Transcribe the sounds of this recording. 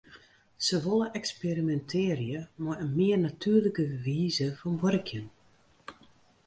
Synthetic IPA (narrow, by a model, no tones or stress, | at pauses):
səʋolˠəʔɛksperimɛntʰɪːrjəmɔjənmɪərnatʰyːrləkəʋiːzəfɔnʋørəkʰjən